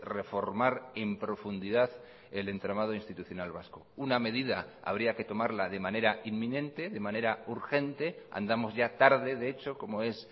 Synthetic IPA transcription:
re̞fo̞ɾmaɾe̞mpɾo̞fund̪iðað | ele̞nt̪ɾamað̞oinst̪it̪uθjo̞nalβ̞askouname̞ð̞ið̞aa̰β̞ɾiake̞t̪o̞maɾlaðe̞mãne̞ɾainmːĩnẽ̞nt̪e̞ðe̞mane̞ɾauɾxe̞nt̪e̞a̰nd̪amo̞zʝat̪aɾðe̞ðeet͡ʃo̞ko̞mo̞e̞s

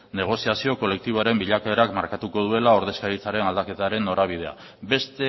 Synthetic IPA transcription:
ne̞ɣ̞o̞siasio̞ko̞le̞k̚t̪iβoaɾe̞mbiʎakaeɾakmaɾkat̪uko̞ð̞ue̞lao̞ɾð̞e̞skaɾit͡saɾe̞nald̪ake̞t̪aɾe̞nːo̞ɾaβ̞ið̞e̞a̰ | be̞st̪e̞

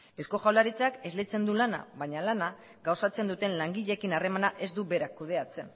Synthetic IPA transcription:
e̞sko̞ʝawlaɾit͡sake̞zlet͡se̞nd̪ulana̰βaɲalana | ɡawsat͡se̞nd̪ut̪e̞nlaŋɡiʎe̞kinare̞manaʔe̞zd̪uβe̞ɾakːuð̞e̞at͡se̞n

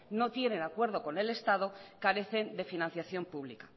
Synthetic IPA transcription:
no̞t̪je̞nẽ̞nakwe̞ɾðo̞ko̞ne̞le̞st̪að̞o̞kaɾe̞θe̞nd̪e̞finãnθjaθjo̞mpuβlikḁ

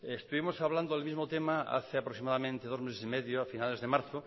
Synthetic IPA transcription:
est̪uβimosaβland̪oðelmizmot̪emaa̰θeapɾoksimaðamẽnt̪eðozmesesimeðjoafinalezðemaɾθo

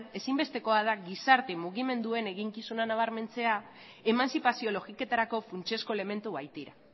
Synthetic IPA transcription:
e̞simbe̞st̪e̞ko̞aðaɣisaɾt̪emuɣime̞nd̪ue̞ne̞ɣiŋkisunanaβ̞aɾme̞nt͡se̞a | e̞mansipasio̞lo̞ɣike̞t̪aɾako̞funt͡ʃe̞sko̞eleme̞nt̪uβajt̪iɾa

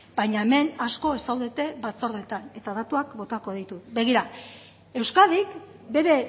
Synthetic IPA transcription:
b̥ajɲaeme̞nasko̞esawðe̞t̪e̞bat͡so̞ɾðe̞t̪ane̞t̪aðat̪uakbo̞t̪ako̞ð̞ejt̪ube̞ɣ̞iɾa | e̞wskaðikbe̞ɾe̞

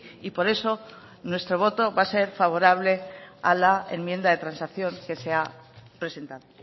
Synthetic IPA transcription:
ipo̞ɾe̞so̞ | nwe̞st̪ɾo̞β̞o̞t̪o̞βase̞ɾfaβ̞o̞ɾaβ̞le̞a̰lae̞̰mje̞nd̪aðe̞t̪ɾansakθjo̞ŋke̞se̞apɾe̞se̞nt̪aðo

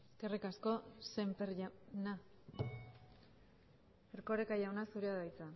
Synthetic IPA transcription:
eske̞rikasko̞sempeɾʝana | eɾko̞ɾekajawnasuɾeaðajt͡sa

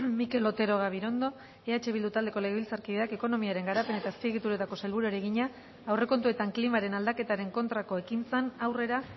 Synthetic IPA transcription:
mike̞lo̞t̪e̞ɾo̞ɣ̞aβ̞iɾo̞nd̪o̞ | eat͡ʃe̞βild̪ut̪ald̪eko̞leeβilt͡saɾkiðeake̞ko̞no̞miaɾe̞ŋɡaɾape̞net̪aespieɣ̞it̪uɾe̞t̪ako̞selβuɾoeɾe̞ɣiɲa | awre̞ko̞nt̪ue̞t̪aŋklimaɾe̞nald̪ake̞t̪aɾe̞ŋko̞nt̪ɾako̞e̞kint͡senawre̞ɾa

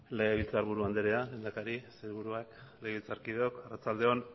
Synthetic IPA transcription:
le̞ɣeβilt͡saɾβuɾuand̪eɾealend̪akaɾiseɾβuɾuakleɣeβilt͡saɾkiðeokarat͡sald̪e̞on

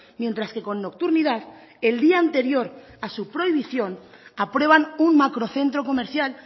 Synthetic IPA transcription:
mje̞nt̪ɾaske̞ko̞nːo̞k̚t̪uɾnið̞að | e̞ld̪iaːnt̪e̞ɾjo̞ɾ | asupɾo̞iβ̞iθjo̞n | apɾwe̞β̞anunmakɾo̞θe̞nt̪ɾo̞ko̞meɾθjal

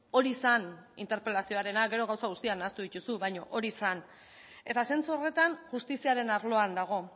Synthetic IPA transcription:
o̞ɾisanḭnt̪eɾpe̞lasio̞aɾe̞naɡe̞ɾo̞ɣawsaɣ̞ust̪ianaːst̪uðit̪usuβajɲo̞ʔo̞ɾisan | e̞t̪ase̞nt͡suore̞t̪anʝust̪isiaɾe̞naɾlo̞and̪aɣ̞o̞

